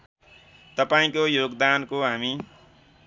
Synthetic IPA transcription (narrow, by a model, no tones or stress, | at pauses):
t̪ʌpaĩkojoɡd̪ankoɦami